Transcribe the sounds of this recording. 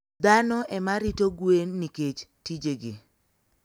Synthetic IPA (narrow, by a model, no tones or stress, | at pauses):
d̪anɔʔɛmaɾitoɡwenːiket͡ʃtid͡ʒeɡɪ